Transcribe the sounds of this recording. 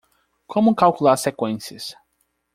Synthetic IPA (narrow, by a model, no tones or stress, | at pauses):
kʰõmʊkawkulaɾsekwẽsiɐs